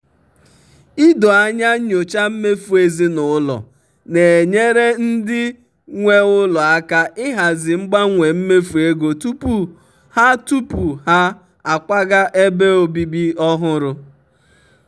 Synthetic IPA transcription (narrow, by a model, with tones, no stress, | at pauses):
ɪ˦do˨a˦ɲa˦ɲo˨t͡ʃa˦m̩˦me˦fu˨e˨zi˦nʊ˨ʊ˦lɔ̰˨ | ne˨ɲe˦ɾe˦n̩˦dɪ˦ | ŋʷe˦ʊ˦lɔ˨a˦ka˦ʔɪ˦ɦa˨zɪ˨ŋ͡m̩˦ɡ͡ba˦ŋʷe˨m̩˦me˦fu˨e˦ɡo˨tu˦pu˦ | ha˦tu˦pu˨ha˦ | a˨kʷa˦ɡa˦ʔe˦be˦o˨bi˦bi˦ɔ˦ɦʊ˦ɾʊ˦